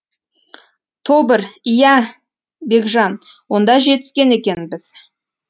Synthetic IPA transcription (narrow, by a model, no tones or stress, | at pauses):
t̪ʰobəɾijæ | be̞kʒɑn | wo̞nd̪ɑʒe̞t̪ɪ̥skʲe̞ne̞kʲe̞nɪbɪz̥